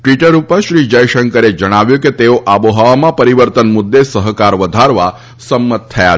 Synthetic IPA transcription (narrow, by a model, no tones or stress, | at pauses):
ʈʋiʈəɾupəʃɾid͡ʒəjʃəŋkəɾed͡ʒəɽ̃aʋjũket̪eoʔaboɦaʋamãpəɾiʋəɾt̪ənmʊd̪ːesəɦkaɾʋəd̪ʱaɾʋa | səmːət̪ʰːəja̰